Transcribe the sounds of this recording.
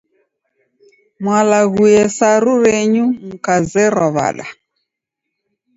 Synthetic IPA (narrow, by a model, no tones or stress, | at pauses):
mwalaɣujɛsaɾuɾɛɲum̩kazɛɾɔβa̰ɗa̰